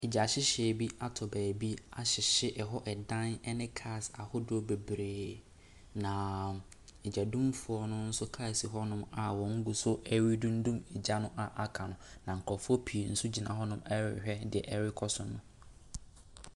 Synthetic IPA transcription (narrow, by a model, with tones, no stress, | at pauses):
ɪ˨d͡ʑa˨ɕɪ˦ɕe˨bi˦a˨tʰɔ˨bæː˨bi˦a˨ɕɪ˨ɕɪ˦ʔɛ˨ɦɔ˦ʔɛ˨dã˦nɛ˦nɪ̃˦kʰa˦˨sa̰˨hʊ˦dʊ˦ɔ˨be˨bɾeː˨ | nã˨ | e˨d͡ʑa˨dũ˦mfʊ˦ɔ˦nʊ̃˦n̩˦sʊ˦kʰa˦˨si˨ɦɔ˦nʊ̃˦ma˨wɔ̃˨ŋ̩˦ɡu˨sʊ˦ɛ˦ɾi˦dũ˦n˦dũ˦mɛ˨d͡ʑa˦nʊ̃˦ʔa˨ʔa˨kʰã˨nʊ̃˦nã˨ŋ̩˨kʰɔ˨fʊ˦ɔ˦pʰi˨e˨n̩˦su˦d͡ʑi˨nã˨ɦɔ˦nʊ̃˦mɛ˦ɾɪ̰˨hᶣɛ˦dɪ˨ɛ̰˨ʔɛ˦ɾɪ˦kʰɔ˦sʊ̃˨nːʊ̃˦